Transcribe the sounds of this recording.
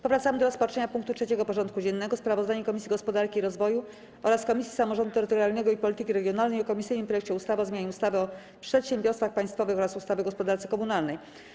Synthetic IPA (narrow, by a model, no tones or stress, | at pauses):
pɔvɾat̪samɘd̪ɔɾɔspat͡ʂɛɲapuŋkt̪utʂɛt͡ɕɛɡɔpɔʐɔnt̪kud͡ʑɛnːɛɡɔspɾavɔzd̪aɲɛkɔmʲisʲiɡɔspɔd̪aɾkʲiːɾɔzvɔju | ɔɾaskɔmʲisʲji̥samɔʐɔ̃nd̪ut̪ɛɾɘt̪ɔɾʲjalnɛɡɔipɔlʲit̪ɘkʲiɾɛɡjɔnalnɛjɔkɔmʲisɘjnɘmpɾɔjɛk̚t͡ɕɛust̪avɘɔzmʲjaɲɛust̪avɘɔ | pʂɛt̪ɕɛmbʲjɔɾst̪faxpaj̃st̪fɔvɘxɔɾasust̪avɘɡɔspɔd̪aɾt̪sɘ̥kɔmunalnɛj